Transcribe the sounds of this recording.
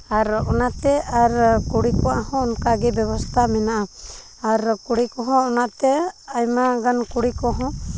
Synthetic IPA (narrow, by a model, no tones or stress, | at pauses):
aɾɔnat̪ɛaɾkuɽikɔahɔ̃ɔnkaɡɛbjɛbɔst̪ʰamɛnaʔa | aɾkuɽikɔɦɔ̃ɔnat̪ɛajmaɡankuɽikɔɦɔ̃